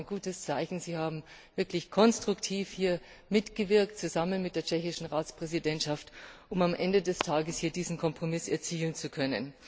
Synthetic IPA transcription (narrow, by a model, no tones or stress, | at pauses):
nɡ̥uːtəst͡saɪçn̩ziːhaːbm̩ | v̥ɪɐklɪçkʰɔnstʁ̥ʊktʰiːfhiːɐ | mɪtɡ̥əvɪɐk̚tt͡suzamənmɪt̚d̥eːɐt͡ʃɛçɪʃn̩ʁaːt͡spʁ̥ɛzidɛntʃaftʔʊmamʔɛndədɛstʰaːɡəshiːɐdiːzn̩kʰɔmpʁ̥omɪsɛɐt͡siːlənt͡sukʰœnə̰n